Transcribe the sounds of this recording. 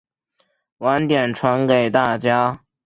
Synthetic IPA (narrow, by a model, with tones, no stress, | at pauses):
wa˧˥nt̪jɛ˨˩nʈ͡ʂʰwa˧˥nke˨˩ɪt̪a˥˩t͡ɕja˥